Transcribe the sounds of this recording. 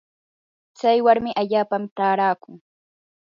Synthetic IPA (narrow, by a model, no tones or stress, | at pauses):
t͡sajwaɾmɪʔaʎaːpamt̪aːɾaːkʊŋ